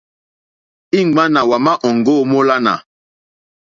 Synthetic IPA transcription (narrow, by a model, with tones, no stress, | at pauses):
i˦ŋ˨ɡ͡ba˦na˨wa˨ma˦ʔɔ˨ŋɡo˦˨mo˦la˦na̰˨